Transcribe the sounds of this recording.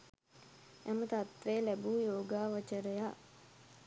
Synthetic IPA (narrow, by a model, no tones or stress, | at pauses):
æmət̪at̪ʋeːlæbuːjoːɡaːʋət͡ʃəɾəja